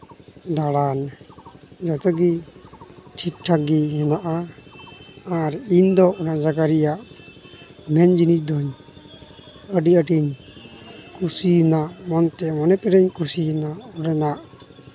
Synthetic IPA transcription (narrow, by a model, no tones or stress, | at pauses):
d̪aɽan | d͡ʒɔt̪ɔɡi | ʈʰik̚ʈʰaɡiɦɛnaʔa | ɾind̪ɔʔɔnad͡ʒaɡaɾijaʔ | mɛnd͡ʒinit͡ʃd̪ɔɲ | əɖiəʈiɲ | kusinaʔmɔnt̪ɛmɔnɛpɛɾɛɲkusiɛnaʔɔɾɛnaʔ